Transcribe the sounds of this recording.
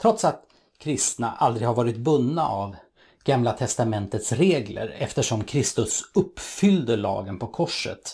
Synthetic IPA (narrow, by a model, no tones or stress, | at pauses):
t̪ʰɾɔt̪sat̪ | kʰɾɪst̪naʔald̪ɾɪɡhaɾvɑːɾɪt̪̚bɵnːaʔav | ɡ̥amlat̪ʰɛst̪amɛnt̪ət̪sɾeːɡlə̰ɾɛft̪əʂɔmkʰɾɪst̪ɵsɵpːfʏld̪əɭɑ̰ːɡənpʰɔkʰɔʂə̰t̪